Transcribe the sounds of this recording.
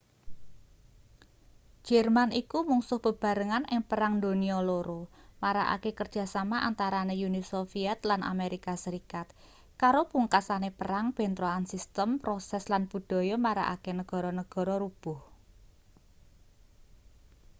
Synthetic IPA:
ʒ̥ɛrmanikumuŋsʊhb̥ə̤b̥a̤ɾəŋanʔɪŋpəɾaŋnd̪o̤niɔloɾomaɾa̰ʔa̰kekərd̥d͡ʒ̥a̤samaʔa̰nt̪aɾanejunisofiɛt̪lanʔa̰meɾikasəɾikat̪̚ | kaɾopuŋkasanepəɾaŋpent̪ɾoansist̪əmpɾosɛslanbud̪̥ɔ̤jɔmaɾa̰ʔa̰kenəɡ̥ɔ̤ɾɔnəɡ̥ɔ̤ɾɔɾub̥ʊh

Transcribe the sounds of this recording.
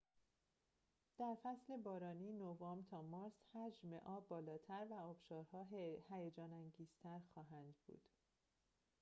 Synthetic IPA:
d̪̥æɾfæsle̞bɒːɾɒːniːnovɒːmt̪ʰɒːmɒːɾshæd͡ʒmeʔɒːbbːɒːlɒːt̪ʰæɾvæɒːb̥ʃɒːɾhɒːɦhæjed͡ʒɒːnæŋɡiːz̥t̪ʰæɾxɒːɦænd̪bṵːd̪̥

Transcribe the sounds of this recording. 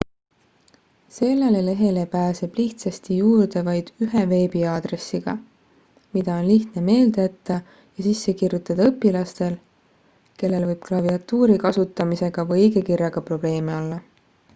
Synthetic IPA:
se̞lːelele̞ɦe̞lepæːse̞b̥liht̪sɑst̪ijuːɾd̪e̞vɑjd̪̥yɦeve̞ːbiɑːd̪̥re̞sːiɡ̥ɑ̰ | mid̪̥ɑo̞nliht̪ne̞me̞ːld̪̥t̪ˑːɑ | jɑsisːe̞kirjut̪ːˑɑd̪̥ɑɤpːilɑst̪e̞l | ke̞lːe̞lvɤjb̥̚klɑviɑt̪ːuːɾikɑsut̪ːˑɑmise̞ɡ̥ɑvɤiɡe̞kirjɑɡ̥ɑpro̞b̥le̞ːmeo̞lːɑ

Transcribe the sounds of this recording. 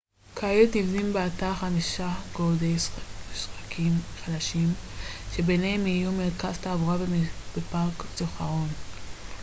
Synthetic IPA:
kʰaelt̪nivzimbeataχamiʃaɡodeisχakʰimχad̪aʃimʃebenehemijumeʁkazt̪aːvuʁabb̥epaʁkt͡soχaʁon

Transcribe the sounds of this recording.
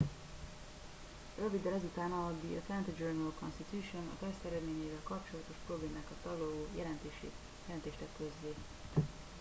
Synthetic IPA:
røvid̪ːɛlɛzut̪aːnɒɒd̪iɛ̰t̪lɛnt̪id͡ʒørnulko̞̰nst̪it̪uːʃo̞nɒ̰t̪ɛst̪ɛɾɛd̪meːɲeːvɛlkɒpt͡ʃo̞lɒt̪o̞ʃpro̞bleːmaːkɒt̪ːɒloloːjɛlɛnt̪ːʃ | jɛlɛnt̪eːʃt̪ɛkːøzːeː

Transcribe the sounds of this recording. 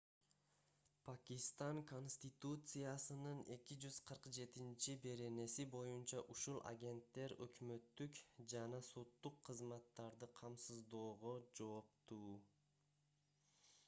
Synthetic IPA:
pʰakʲist̪aŋko̞nsʲt̪ʲit̪ut̪sɨjasɯnɯne̞kid͡ʒyz̥qʰɯɾqd͡ʒe̞t̪int͡ʃibe̞ɾe̞ne̞sibo̞junt͡ʃɑʔuʃulˠʔa̰ɡʲe̞nt̪ːe̞ɾø̰kmø̞t̪ːykd͡ʒɑnɑso̞t̪ːuqʰːɯzmɑt̪ːɑɾd̪ɯqʰɑmsɯzd̪o̞ːʁod͡ʒo̞ːp̚t̪uː

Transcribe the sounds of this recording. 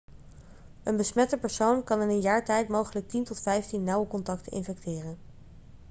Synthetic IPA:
ənbəsmɛtəpəɹsownkɑnɪnənjaːɹtɛjtmowχələk̚tintɔtfɛjftinːɑwəkɔntɑktʰənʔɪ̰nfɛktɪːrən

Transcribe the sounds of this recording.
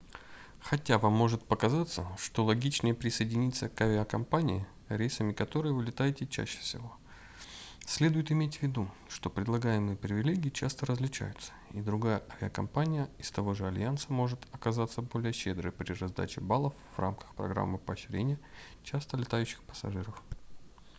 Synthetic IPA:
xɐtʲavamːo̞ʐɨt̪̚pəkɐzat̪səʂt̪o̞lˠɐɡʲit͡ɕnəjəpɾʲɪsəjɪdʲɪnʲit̪səkɐvʲɪakɐmpanʲɪɪ | ɾʲejsəmʲɪkɐt̪o̞ɾɨjəvɨlʲɪt̪ajɪtʲɪt͡ɕæ̰ɕːɪ̥fsʲɪvo̞ | sʲlʲe̞d̪ʊjɪt̪ɪmʲetʲvʲɪd̪u | ʂt̪o̞pɾʲɪd̪lˠɐɡajɪmɨjəpɾʲɪvʲɪlʲeɡʲɪːt͡ɕast̪əɾəzlʲɪt͡ɕa̰jʊt̪sə̥id̪ɾʊɡajəʔɐvʲɪɐkɐmpanʲɪjəɪst̪ɐvo̞ʐɨɐlʲjantsəmo̞ʐɨt̪ɐkɐzat̪sːəbo̞lʲɪjəɕːe̞d̪ɾɨjpɾʲɪrɐzd̪a̰t͡ɕɪbalˠəfv̥ra̰mkə̥xpɾɐ̰ɡɾa̰mːɨpəɕɪɾʲḛnʲɪjə | t͡ɕast̪əlʲɪt̪ajʉɕːɪ̥xpə̥sɐ̰ʐɨɾəf

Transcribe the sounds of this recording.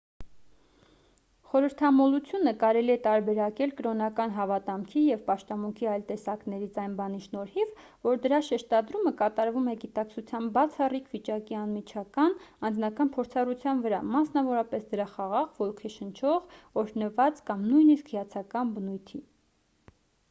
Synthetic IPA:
χɔɾəɾt̪ʰɑmɔlut͡sʰjunəkɑɾɛliɛt̪ɑɾbɛɾɑkɛlkəɾɔnɑkɑnɦɑvɑt̪ɑmkʰijɛvpɑʃt̪ɑmuŋkʰiɑjlt̪ɛsɑknɛɾit͡sʰɑjnbɑniʃnɔɾhiv | vɔɾd̪əɾɑʃɛʃt̪ɑd̪ɾuməkɑt̪ɑɾvumɛɡit̪ɑkt͡sʰut͡sʰjɑmbɑt͡sʰɑrikʰvit͡ʃɑkiɑnmit͡ʃʰɑkɑnɑnd͡znɑkɑnpʰɔɾt͡sʰɑrut͡sʰjɑnvəɾɑmɑsnɑvɔɾɑpɛsd̪əɾɑχɑʁɑʁvɔlkʰɛʃənt͡ʃʰɔʁɔɾnəvɑt͡skɑmnujniskʰhəjɑt͡sʰɑkɑnbənujt̪ʰi

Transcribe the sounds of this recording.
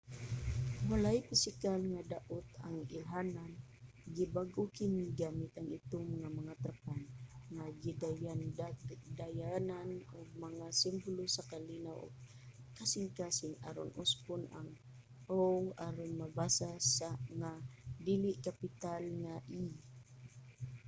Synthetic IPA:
walajfɪsɪkalŋad̪aʔʊt̪aŋɪlɦanan | ɡibaɡʔokɪniɡaːmɪt̪aŋɪt̪ʊŋmaŋamaŋat̪ɾapanŋaɡid̪ajandad̪ajananʊɡ̚maŋasɪmbʊlosakalinawʔo̰ɡ̚ | kasɪŋkasɪŋa̰ɾo̰nʔʊspʊna̰ŋ | owaɾonmabasasaŋad̪ilɪʔkapɪt̪alŋaʔi

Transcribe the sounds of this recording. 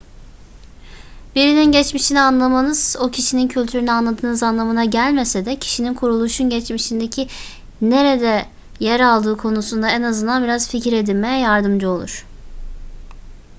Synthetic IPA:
b̥iɾininɟɛt͡ʃmiʃinianlˠamanɯz̥o̞cʰiʃinincʰylʲt̪ʰyɾynyanlˠad̪ʰɯːnɯzanlˠamɯnaɟælʲme̞sed̪ɛcʰi̥ʃininkʰuɾulˠuʃunɟɛt͡ʃmiʃind̪e̞cʰi | ne̞ɾed̪ɛ | jɛɾalˠd̪ɯːkʰo̞nusund̪aɛnazɯnd̪anbiɾazficɾe̞d̪ilʲmejɛjaɾd̪ɯmd͡ʒɯo̞lˠṵɾ̝̥

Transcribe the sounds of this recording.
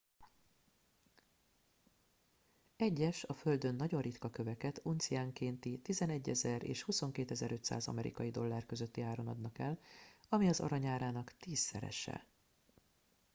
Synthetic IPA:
ɛɟːɛʃɒfø̞ld̪ø̞nːɒɟo̞rit̪kɒkø̞vɛkɛt̪ʰunt̪siaːŋkeːnt̪it̪izɛnɛɟːɛzɛrḛːʃhuso̞ŋkeːt̪ɛzɛɾʔø̞t̪sa̰ːzɒ̰mɛɾḭkɒjid̪o̞lːaːrkø̞zø̞t̪ːiaːɾo̞nɒd̪nɒkɛlɒmiɒzɒ̰ɾɒɲaːɾaːnɒkt̪iːsːɛ̰ɾɛ̰ʃɛ̰

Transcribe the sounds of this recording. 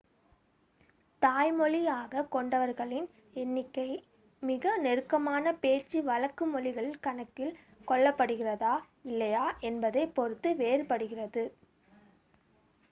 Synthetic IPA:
t̪aːjmɔɭijaːɣɐkɔɳɖɐʋɐɾɣɐɭɪn | ɛnːɪkːɐɪ | mɪɣɐnɛɾɯkːɐmaːnɐpeːrt͡ʃːiʋɐlɐkːɯmɔɭɪɣɐɭkɐɳɐkːɪl | kɔɭːɐpːɐɽɯɣɪrɐðaː | ɪlːɐjaːʔɛnbɐðɐɪpɔɾɯt̪ːɯʋeːɾpɐɽɯɣɪrɐðɯ

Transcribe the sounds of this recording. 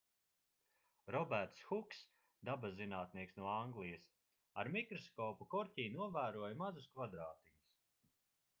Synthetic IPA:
ɾɔbæɾt̪sxuks | d̪abazːinaːt̪niɛksnuɔaŋɡlˠijɐs | aɾmikɾɔskɔːpukɔɾʲcʲiːnuɔvæːɾuɔjmazuskvad̪ɾaːt̪iɲus

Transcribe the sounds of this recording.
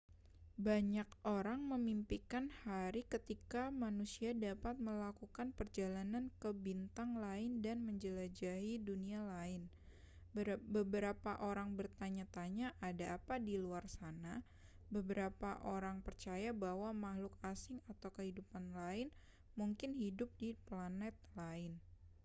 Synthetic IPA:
baɲak̚ʔoɾaŋməmimpikanhaɾikət̪ikamanusiadapat̪̚məlakukanpərd͡ʒalanankəbint̪aŋlaɪndanməɲd͡ʒəlad͡ʒaidunialaɪn | bəbəɾapaʔoɾaŋbərt̪aɲat̪aɲaʔadaːpadiluarsana | bəbəɾapaʔoɾaŋpərt͡ʃajabawamahlʊkasɪŋat̪awkəhidupanlaɪn | muŋkɪnɦidʊp̚diplanɛt̪̚laɪn

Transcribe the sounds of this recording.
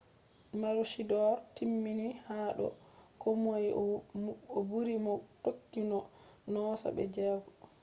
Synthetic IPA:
maɾuʃidɔɾtimːinihaːɗɔ̰kʰɔmoj | ɔbuɾimɔtokːinɔnɔːsa̰bɛ̰d͡ʒɛːɡɔ

